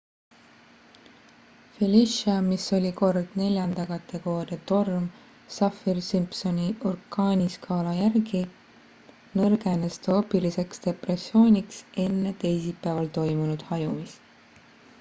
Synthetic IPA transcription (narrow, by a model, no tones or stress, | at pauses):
filiʃɑmiso̞lʲiko̞rd̪̥ne̞lʲjɑnd̪ɑkɑt̪ːe̞ko̞ːɾet̪o̞rm | sɑfirsimpso̞niorkːɑːnʲiskʰɑːlɑjærɡi | nɤrɡ̥e̞nest̪ɑopːilise̞kst̪e̞presːio̞ːnʲikse̞nːe̞t̪e̞jsipːæːvɑlt̪o̞jmunud̪̥hɑjumis